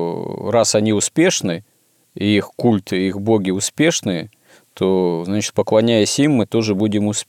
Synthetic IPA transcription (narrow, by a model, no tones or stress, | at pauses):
rasɐnʲiʊspʲe̞ʂnɨ | iixkulʲt̪ɨixboɡʲɪʊspʲe̞ʂnɨjə | t̪ʰoznat͡ɕɪ̥t̪̚pəklˠɐnʲæjəsʲimːɨt̪o̞ʐɨbudʲɪmʊspʲ